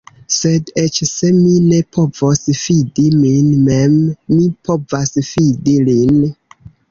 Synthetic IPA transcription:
sedet͡ʃse̞mine̞pʰo̞vosfidiminmemːipo̞vasfidilin

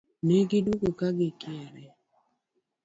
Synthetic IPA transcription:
neɡɪduɡokaɡɪkjɛɾɛ

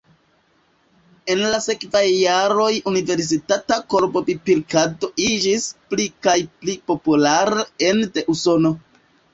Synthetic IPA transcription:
e̞nlase̞kvajːaɾo̞junive̞ɾs̬itatako̞ɾbo̞bipiɾkado̞id͡ʒisplikajplipo̞pulaɾeende̞ʔuso̞no̞

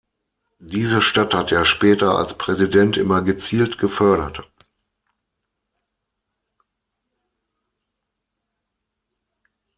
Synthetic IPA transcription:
d̥iːzəʃtathatʰjaːʃpɛːtɐa̰lspʁ̥ɛzidɛntʔɪmɐɡət͡siːltɡ̥əfœɐɾɐt

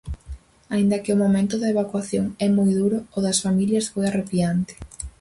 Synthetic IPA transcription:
aĩnd̪ɐkɪʊmomẽnt̪ʊðɐeβakwaθjoŋɛmojðuɾʊoðɐsfamiljɐsfojarepiant̪ɪ̥

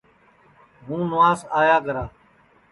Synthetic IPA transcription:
ɦũːnʊʋaːzaːjaːkəɾaː

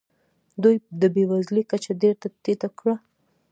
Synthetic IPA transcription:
d̪ujd̪əbewazlikat͡ʃad̪eɾt̪at̪et̪akɽa

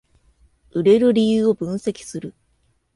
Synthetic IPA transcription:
ɯ̟ɾe̞ɾɯ̟ɾʲijɯːo̞bɯ̟̃ɰ̃se̞kʲi̥sɨɾɯ̟

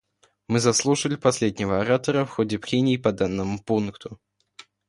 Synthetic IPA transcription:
mɨzɐslˠuʂəlʲɪpɐsʲlʲed̪ʲnʲɪvəɐɾat̪əɾəfxodʲɪpɾʲenʲɪːpɐd̪anːəmʊpunkt̪ʰʊ

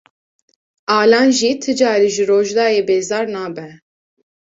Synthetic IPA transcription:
ɑːlɑːnʒiːt̪ʰɨd͡ʒɑːɾiːʒɨɾoːʒd̪ɑːjeːbeːzɑːɾnɑːbɛ

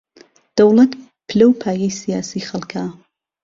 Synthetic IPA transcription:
d̪̥ɐwlɐt̪ | pʰɨlɐwpʰaːjɐjsijaːsiːxɐlˠkʰa

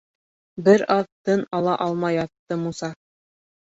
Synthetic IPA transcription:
bɘɾɑðt̪ɤnɑlˠɑʔɑlˠmɑjɑt̪ːɤmusɑ

